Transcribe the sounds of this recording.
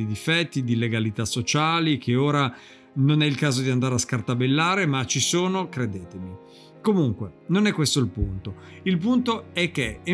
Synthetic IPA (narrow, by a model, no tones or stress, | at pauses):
id̪ifɛt̪ːid̪ileɡalit̪asːot͡ʃaːlikʰeoːɾa | nonɛilkaːzod̪iand̪aːɾeaskart̪abelːaːɾemat͡ʃːisoːnokɾed̪eːt̪emi | komuŋkwenonɛkːwest̪oilpunt̪o | ilp̬unt̪oɛk̟ːee